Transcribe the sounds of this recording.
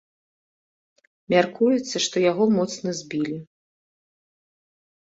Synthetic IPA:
mʲarkujɛt̪sːɐʂt̪ɔjaɣɔmɔt̪snɐzʲbʲilʲi

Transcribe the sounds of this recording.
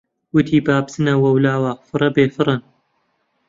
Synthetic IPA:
wʊt̪ʰiːbaːbsɨnɐwɐwlaːwaːfɨɾˤɐbeːfɨrˤɨn

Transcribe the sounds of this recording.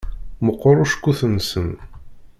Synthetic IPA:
məqːoɾˤʊʃkʷːuθənsən

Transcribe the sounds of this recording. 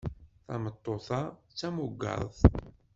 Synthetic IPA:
θɑ̰mət̪ˤːoθɑt͡sːæmʊɡːɑ̰ðˤ

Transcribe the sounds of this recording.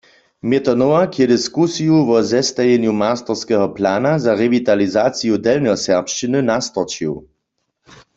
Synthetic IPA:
mjɛt̪ɔnɔwakjɛdiskusijuʋɔzɛst̪ajɛnjumaːst̪ɔʁskɛɦɔplaːnazaʁɛvit̪alizaːt͡sijudɛlnɔsɛʁpʃt͡ʃinɨnast̪ɔt͡ʃiw

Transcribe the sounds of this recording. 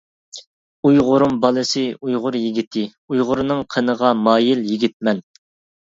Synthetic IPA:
ujʁʊɾumbɑlˠɨsɨujʁʊɾjiɡʲit̪ʰɪ | ujʁʊɾnɨŋqʰənəʁɑmɑːjiljiɡʲit̪̚mɛn

